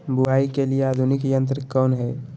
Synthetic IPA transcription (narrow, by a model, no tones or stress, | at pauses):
buaːikelieaːd̪ʱunikjə̃nt̪̬ɾəkɔːnɦɛː